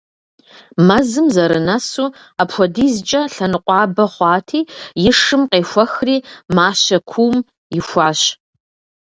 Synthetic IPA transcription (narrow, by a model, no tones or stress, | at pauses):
mɐzɨmzɐɾɨnɐsuː | apxʷɔdiːzt͡ʃʼɐɬɐnɨqʷʼɑːbɐχʷɑːtʰiːjɪʂɨmqeːxʷɐxriːmaːɕɐkʷʰuːm | jɪxʷɑːɕ